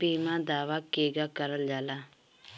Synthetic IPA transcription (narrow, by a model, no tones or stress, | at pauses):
piːmãd̪aːʋakeːɡaːkəɾəld͡ʒaːlaː